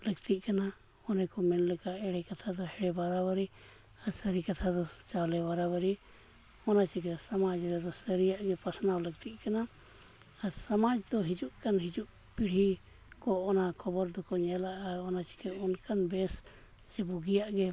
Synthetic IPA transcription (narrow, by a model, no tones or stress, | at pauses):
ləɡt̪iʔ̚ˀkana | ɔnɛkɔmɛnlɛkaʔɛɽɛkat̪ʰad̪ɔhɛɽɛbaɾabəɾi | asəɾikat̪ʰad̪ɔt͡ʃalɛbaɾabəɾi | ɔnat͡ʃiɡɛsamad͡ʒɾɛd̪ɔsəɾijaʔɡɛpasnawləɡ̚t̪iʔ̚kanaː | ɾsamad͡ʒd̪ɔɦid͡ʒuʔkanɦid͡ʒuʔ | piɽ̤i | kɔɔnakʰɔbɔɾd̪ɔkɔɲɛlaʔaɔnat͡ʃi̥kɛɔnkanbɛs | t͡ʃɛbuɡijaʔɡɛ